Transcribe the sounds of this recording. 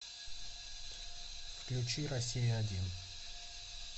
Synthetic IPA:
fklʲʉt͡ɕiɾɐsʲijɪɐdʲin

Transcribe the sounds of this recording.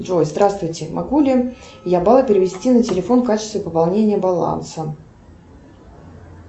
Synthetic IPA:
ʐojzd̪ɾast̪vʊjtʲɪmʔɐɡulʲɪə | jabɑlˠəpʲɪɾʲɪvʲɪsʲtʲinətʲɪlʲɪfo̞nfkat͡ɕɪst̪vʲɪpəpalˠnʲenʲɪjəbɐlˠa̰nsə

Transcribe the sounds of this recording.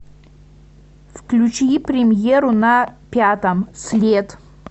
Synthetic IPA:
fklʲut͡ɕipɾʲɪmʲjeɾʊnɐpʲat̪ɐmsʲlʲet̪

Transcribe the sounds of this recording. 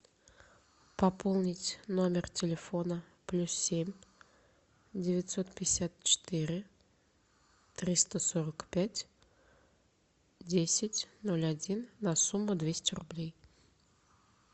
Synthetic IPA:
pɐpʰolˠnʲɪtʲno̞mʲɪrtʲɪlʲɪfo̞nə | plʲussʲemʲ | dʲɪvʲɪt̪sot̪pʲɪjɪsʲat̪̚t͡ɕɪ̥t̪ɨɾʲɪ | t̪ɾʲist̪əsoɾəkpʲætʲ | dʲesʲɪtʲnolʲadʲinːasumːʊd̪vʲesʲtʲɪrʊblʲej

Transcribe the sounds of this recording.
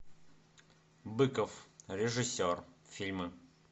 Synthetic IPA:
bɨkəfɾʲɪʐɨsʲorfʲilʲmɨ

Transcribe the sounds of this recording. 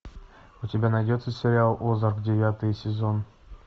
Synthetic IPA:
utʲɪbʲanɐjdʲo̞t̪səsʲɪɾʲɪalˠozaɾkdʲɪvʲat̪ɨjsʲɪzo̞n

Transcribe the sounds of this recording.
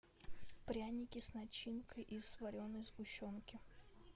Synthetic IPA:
pɾʲanʲɪkʲɪsnɐt͡ɕːinkəjʔisvɐɾʲonəjzɡʊɕːonkʲɪ

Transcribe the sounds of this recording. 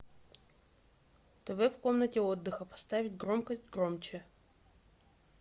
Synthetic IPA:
t̪ɛvɛfko̞mnətʲɪo̞d̪ːɨxəpɐ̥st̪avʲɪtʲɡɾo̞mkəsʲtʲɡɾo̞mt͡ɕɪ

